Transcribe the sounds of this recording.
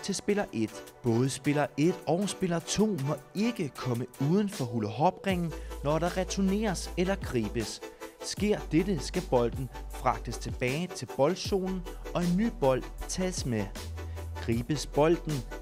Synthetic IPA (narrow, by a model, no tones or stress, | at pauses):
t͡sʰe̝sb̥e̝lɐʔe̝d̥b̥ɔ̽ːð̞̩ˠəsb̥e̝lɐʔe̝d̥ɒʊsb̥e̝lɐt͡sʰo̝̰ːmɒ̽e̝ɡ̥əkʰɒ̽məuːð̞ˠn̩fɒ̽ɦuləɦɒ̽b̥ʁeŋn̩nɒɾɑ̈ʁɛt͡sʰone̝̰ːɐselɐɡ̥ʰʁiːb̥əsːɡ̥e̝ɐ̰d̥ed̥əsɡ̥æb̥ɒ̽l̰d̥n̩fʁɑ̈ɡ̥̚d̥əst͡sʰe̝b̥ɛːɪt͡sʰe̝lb̥ɒ̽ld̥so̝̰ːnn̩ɒ̽e̝nːy̰ːb̥ɒ̽l̰d̥t͡sʰɛ̰ːsme | ɡ̥ʁiːb̥əsb̥ɒ̽l̰d̥n̩